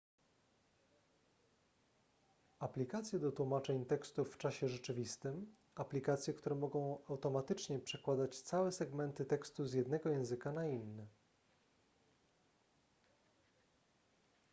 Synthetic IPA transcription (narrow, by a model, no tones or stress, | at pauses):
aplʲikat̪sʲjɛd̪ɔt̪wumat͡ʂɛɲt̪ɛkst̪ufːt͡ʂaɕɛʐɛt͡ʂɘvʲist̪ɘm | aplʲikat̪sʲjɛkt̪uɾɛmɔɡɔ̃w̃awt̪ɔmat̪ɘt͡ʂɲɛpʂɛkwad̪at͡ɕt̪sawɛsɛɡmɛnt̪ɘt̪ɛkst̪uzjɛd̪nɛɡɔjɛ̃w̃zɘkanainːɘ